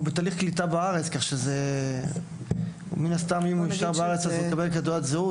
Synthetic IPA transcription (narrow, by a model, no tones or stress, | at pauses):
betaːliχklitabaaʁet͡skaχʃeze | minast̪amimuiʃt̪aʁbaaet͡sazumekabelkadoatzeu